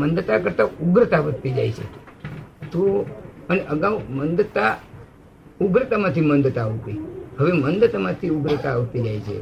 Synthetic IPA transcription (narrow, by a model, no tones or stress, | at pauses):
mənd̪ət̪akəɾt̪auɡɾət̪aʋət̪id͡ʒa̰jt͡ʃʰḛ | t̪oəñiʔəɡaʋmənd̪ət̪a | uɡɾət̪amat̪ʰimənd̪ət̪aːʋt̪ihəʋemənd̪ət̪amat̪ʰiuɡɾət̪aːʋt̪id͡ʒajt͡ʃʰḛ